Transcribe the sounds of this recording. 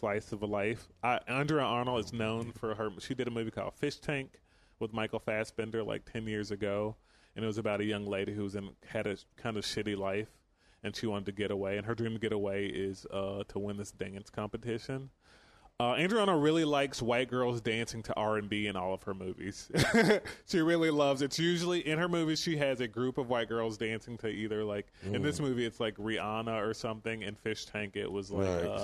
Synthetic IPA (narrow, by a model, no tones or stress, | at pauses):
flaɪsʌvəlaɪfaʔæ̃ndɹiɨʔɑnl̩ˠɨznõʊ̃nfə˞ə˞ʃidɨɾɨmʉvikʰɔ̰lˠd̥fɪʃtʰæ̃ŋk | wəðmaɪkl̩ˠfæsb̥ɛ̃ndə˞la̰ɪk̚tʰɛ̃njɪɹzɨɡoʊ | ɨ̃nɨt̚wʌzɨbaʊɾɨjʌ̃ŋleɪɾihʉʌzɨ̃nɨɾɨkʰãɪ̃ndʌv̥ʃɪɾilaɪf | ɨ̃nʃiwɑ̃ɾɨd̚tʰɨɡɛɾəweɪɨ̃nə˞dɹĩmtʰɨɡɛɾəweɪʔɪz̥ʌtʰəwɪ̃nðɪsd̥æ̃nskʰɑ̃mpɨtʰɪʃɨ̃n | ʌæ̃ndɹiɑñəɹɪlˠilaɪkswaɪt̚ɡ̥ɜ˞lˠzdæ̃nsɪ̃ŋtʰɨʔɑɹɨ̃nbiɨ̃nɔ̰lˠʌv̥ə˞mʉvḭz̥ | ʃiɹɪlˠilʌvzɨtsjʉʒl̩ˠiʔɨ̃nə˞mʉviz̥ʃiɨzɨɡɹʉpʌvwaɪt̚ɡ̥ɜ˞lˠzdæ̃nsɪ̃ŋtʰɨʔiðə˞laɪkɨ̃nðɪsmʉviɨtslaɪkɹiɑnəə˞sʌ̃mθɪ̃ŋɨ̰̃nfɪʃtʰæ̃ŋkɪ̰ʔ̚wʌzlaɪkʌ